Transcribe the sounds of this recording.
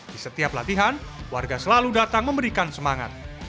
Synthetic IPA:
d̥isət̪iaplat̪iɦanwarɡasəlaludat̪aŋməmbəɾikansəmaŋa̰t̪̚

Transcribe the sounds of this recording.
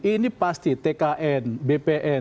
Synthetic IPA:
inipast̪it̪ekaʔɛnbepeʔɛ

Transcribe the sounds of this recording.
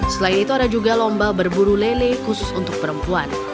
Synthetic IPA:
səlainit̪uadad͡ʒuɡalɔmbabərbuɾulelekusʊsunt̪ʊk̚pəɾəmpuan

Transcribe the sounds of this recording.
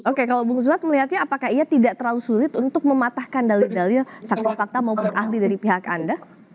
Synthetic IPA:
okekalawbʊŋzuat̪̚məliɦat̪̚ɲaːpakahijat̪idaʔt̪ərlalusulɪt̪unt̪ʊk̚məmat̪ahkandalidalɪlsaksifak̚t̪amaupʊnʔaɦlidaɾipiɦaka̰nda

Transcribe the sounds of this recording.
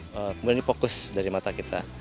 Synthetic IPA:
əkəmudianjafokʊsdaɾimat̪akit̪ʰa

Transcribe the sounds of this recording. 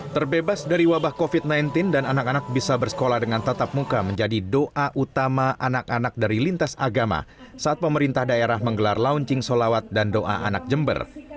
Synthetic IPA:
t̪ərbebasdaɾiwabahkofit̪̚najnt̪ɪndananakanak̚bisabərsə̥kolahdəŋant̪ət̪ap̚mukaməɲd͡ʒadidoʔaʔut̪amaʔanakanak̚daɾilint̪asaɡama̰saːt̪̚pəməɾint̪ahdaeɾahməŋɡəlarlauɲt͡ʃɪŋsolawat̪̚dandoʔa̰ʔa̰na̰k̚d͡ʒəmbə̰r

